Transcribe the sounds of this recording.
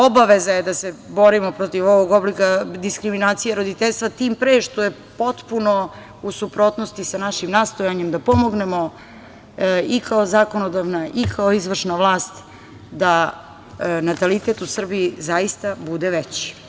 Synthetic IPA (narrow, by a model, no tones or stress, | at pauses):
obaʋe̞zajed̪aseboɾimopɾo̞t̪iʋo̞ʋoɡoblikad̪iskɾiminaːt̪sijeɾo̞d̪it̪eʎʲst̪ʋat̪iːmpɾeːʃt̪oje̞ | po̞t̪puno̞ | usupɾot̪nost̪isanaʃimnaːst̪o̞jaɲemd̪apo̞mo̞ɡne̞mo̞ | ikʰaozako̞nod̪aʋnaʔikʰaoizʋr̩ʃnaʋlˠaːst̪ | d̪a | nat̪alit̪et̪usr̩biizajist̪abud̪eʋet͡ɕi̥